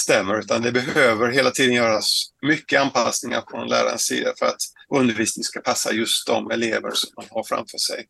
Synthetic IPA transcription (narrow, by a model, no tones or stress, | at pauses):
st̪ɛmːəɾʉ̟ːt̪and̪ɛbɛɦøːvəɾɦeːlat̪ʰiːd̪ənjœːɾasmʏkːəanpʰasnɪŋa̰ɾfɾɔnlʔæ̰ːɾa̰ɾə̰nssḭːd̪afœɾat̪ɵnd̪əɾviːsnɪŋskapʰasːa̰jɵst̪̚d̪ɔmɛleːvəɾʂɔmd̪anhaɾfɾa̰mfœːʂɛ̰j